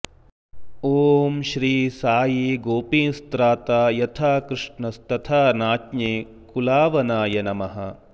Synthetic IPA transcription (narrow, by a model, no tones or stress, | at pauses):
oːmʃɾiːsaːjiɡoːpiːnst̪ɾaːt̪aːjɐt̪ʰaːkɾɨʂɳɐst̪ɐt̪ʰaːnaːtneː | kulaːʋɐnaːjɐnɐmɐɦɐ